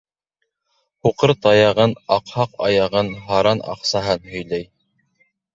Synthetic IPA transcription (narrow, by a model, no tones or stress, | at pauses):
huqɤɾt̪ɑjɑʁɤnɑqhɑqɑ̰jɑʁɤnɦɑɾɑnɑ̰qsɑɦɤnhɵ̆jlæj